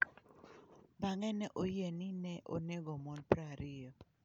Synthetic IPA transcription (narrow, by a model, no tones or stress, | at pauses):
baŋɛnɛʔojeninɛʔo̰neɡomɔnpɾaɾɪjɔ